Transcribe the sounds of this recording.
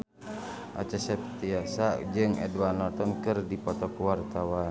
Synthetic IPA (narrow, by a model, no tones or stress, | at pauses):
ʔa̰t͡ʃasɛpt̪iasad͡ʒɨŋɛ̰dwanɔt̪ɔnkɨrdipɔt̪ɔkuwart̪awa